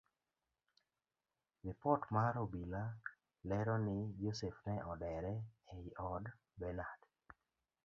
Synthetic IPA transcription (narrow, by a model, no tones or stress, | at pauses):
ɾipɔtmaɾobila | lɛɾɔnɪd͡ʒosefnɛʔɔdɛɾɛeiʔɔd | bɛnad